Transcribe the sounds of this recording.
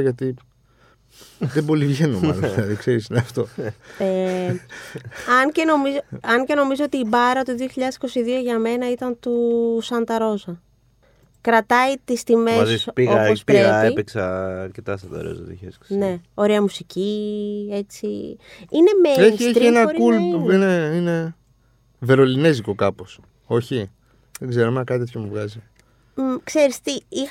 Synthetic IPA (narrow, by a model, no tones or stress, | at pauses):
ʝɐt̪i | ðebo̞livʝenomɐ̰llɐðikseɾisneɐft̪o̞e | ɐɲce̞no̞mizoɐɲce̞no̞mizoot̪iːbɐɾɐt̪uðioçiʎɐðe̞si̥ko̞siðioʝɐme̞nɐit̪ɐnt̪usɐnd̪ɐɾo̞zɐ | kɾɐt̪ɐit̪ist̪imezipiɣoɐpospieɐeipeksɐɐɾcet̪ɐsɐnd̪ɐ̰ɾo̰zɐ̰t̪ḭçesksnneo̞ɾeɐmusicie̞t͡siine̞meeseçt̪ɾenɐoɾikulineine̞ | ve̞ɾo̞line̞ziko̞kɐpo̞s | o̞çi | ðeɡze̞ɾomenɐkɐt̪it̪ʰçomuvɣɐzi | kse̞ɾist̪iix